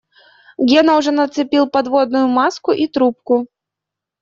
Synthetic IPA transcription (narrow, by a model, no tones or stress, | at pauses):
ɡʲɛnɐwʐɛnɐt̪sɨpʲilˠpad̪vɔd̪nʊjʊmaskʊʔit̪ɾup̚kʊ